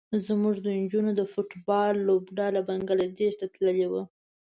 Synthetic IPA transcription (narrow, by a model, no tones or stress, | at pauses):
zmuʐd̪ənd͡ʒunod̪əfʊʈbɑlːobɖɑlabaŋɡalad̪eʃt̪at̪ləlewə